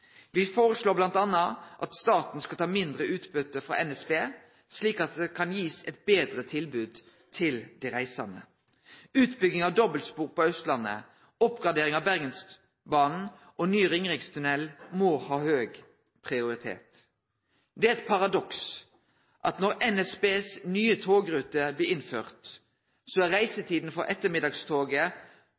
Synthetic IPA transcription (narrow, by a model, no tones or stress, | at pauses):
ʋɪfoːʁəsloːblɑnt̪ɑnːɑʔɑt̪st̪ɑːt̪n̩skɑlt̪ʰɑːmɪnd̪ʁəʉːt̪bʏt̪ːəfɾɔ̰ʔɛnɛsbeː | sliːkɑt̪̚d̪ɛkʰɑnjiːsɛt̪̚beːd̪ʁət̪ʰɪlbʉːd̪ | t̪ʰɪld̪ɛʁæɪsɑ̰nə̰ | ʉːt̪bʏɡnɪŋɑʋd̪ɔbəlspuːʁpɔœst̪lɑnːə̰ | ɔpɡʁɑd̪eːɾɪŋɑʋbæʁɡəns | bɑːnn̩ | ʔɔnyːʁɪŋʁɪŋst̪ʰʉnɛlmɔːhɑːhøːɡ | pʰʁɪʊʁɪt̪ʰḛːt̪ | d̪ɛæɛt̪pʰɑʁɑd̪ɔks | ʔɑt̪nɔʁɛnɛsbeːsnyːət̪ʰoːɡʁʉːt̪əblɛːɪnføːʁt̪ | soːæʁæɪsət̪ʰiːd̪n̩fɔʁʔɛt̪ːəmɪd̪ɑɡst̪ʰoːɡə